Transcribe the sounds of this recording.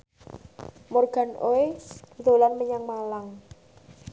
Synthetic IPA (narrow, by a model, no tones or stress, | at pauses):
morɡ̥a̤nʔoed̪̥d̪o̤lanməɲaŋmalaŋ